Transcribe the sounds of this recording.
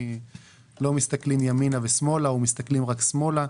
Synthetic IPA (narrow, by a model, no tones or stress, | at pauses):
lo̞mist̪aklimjaminavesmo̞laomist̪aklimʁaksmo̞la